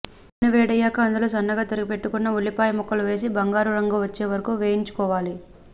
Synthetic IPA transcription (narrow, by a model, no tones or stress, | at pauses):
nɐʋɛːɽɐjaːkɐɐnd̪ɐloːsɐnːɐɡaːt̪ɐɾɐɡipe̞ʈːukunːɐuɭːipaːjɐmɔkːɐluʋe̞ːs̬ibɐŋɡaːɾuɾɐŋɡuʋɐt͡ʃːe̞ːʋɐɾɐkuʋe̞ːjiɲt͡ʃu̥kɔːʋaːli